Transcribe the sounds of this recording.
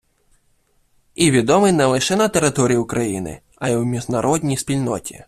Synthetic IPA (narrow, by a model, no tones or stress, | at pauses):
iʋʲid̪ɔmɪjnɛlˠɪʃɛnɐt̪eɾɪt̪ɔɾʲijʊkɾɐjḭnɪ̰ | ɐjiwmʲiʒnɐɾʔɔdʲnʲijspʲilʲnɔtʲḭ